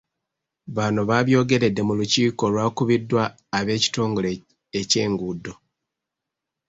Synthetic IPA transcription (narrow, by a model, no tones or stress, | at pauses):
βanoβaβjo̞ːɡe̞ɾe̞dːe̞muluciːko̞lwaːkuβidːwaː | βe̞ːci̥to̞ːŋɡole | ece̞ːŋɡudo̞